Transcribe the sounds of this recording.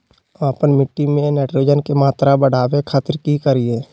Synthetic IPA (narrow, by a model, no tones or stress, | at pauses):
apənmɪʈːimẽnɛːʈɾoːd͡ʒənkemaːt̪ɾabəɽ̤aːwekʰaːt̪əɾkikəɾieː